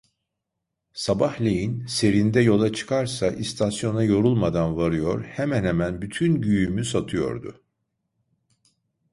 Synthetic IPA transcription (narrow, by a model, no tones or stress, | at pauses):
sabahlʲejinse̞ɾind̪ɛjo̞lˠat͡ʃʰɯ̥kʰaɾsaʔist̪ʰasjo̞najo̞ɾulˠmad̪anvaɾɯjo̞ɾhɛmænhemænbyt̪ʰynɟyjymysat̪ʰɯjo̞̰ɾd̪ʊ̰